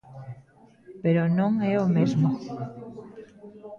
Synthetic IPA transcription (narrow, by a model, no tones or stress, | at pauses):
peɾonõŋɛomezmo